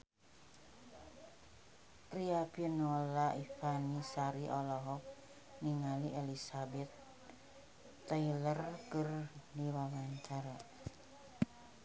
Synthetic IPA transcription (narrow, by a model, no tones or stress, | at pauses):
riapinolaʔifanisaɾiʔɔlɔɦɔk̚ | niŋaliʔelisabɛt̪̚ | ailərkərniwawaɲt͡ʃaɾa